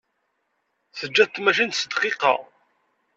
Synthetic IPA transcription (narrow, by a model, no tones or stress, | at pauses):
θəd͡ʒːæðt̪mæʃ̬int̪səd̪qɪqɑ̰ʁ